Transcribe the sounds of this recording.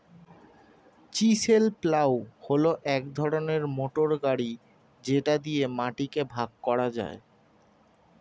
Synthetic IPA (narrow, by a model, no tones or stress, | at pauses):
t͡ɕiselplawholoʔɛk̚d̪ʱɔɾoneɾmoʈoɾɡaɽi | d͡ʑeʈad̪iemaʈikebʱaɡ̚kɔɽad͡ʑa̰e